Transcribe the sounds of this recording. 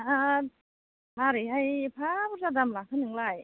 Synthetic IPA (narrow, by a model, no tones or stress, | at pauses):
ʔa | maɾiɦajpʰapʰsad̪amlakʰanɯŋlaj